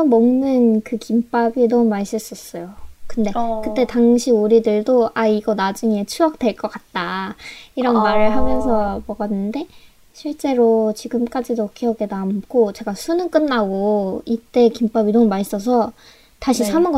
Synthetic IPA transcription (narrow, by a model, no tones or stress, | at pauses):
mʌmnɯnkɯkimp͈abinʌmumais͈ɯɭs͈is͈ʌjokɯnde̞kɯt͈e̞taŋɕʰioɾidɯɭdoaiɡʌnad͡ʑuŋe̞t͡ɕʰuʌk̚t͈we̞ɭk͈ʌk͈at̚t͈aiɾʌnmaɾɯɭɦamjʌnsʰʌmʌɡʌnːɯnde̞ | ɕʰiɭt͡ɕ͈e̞ɾot͡ɕiɡɯmk͈ad͡ʑidokʰiʌɡe̞namkʰot͡ɕe̞ɡasʰunɯnk͈ɯnːaɡoit͈e̞kimp͈abinʌmumais͈ʌs̬ʰʌ | taɕʰisʰamɯnɡʌ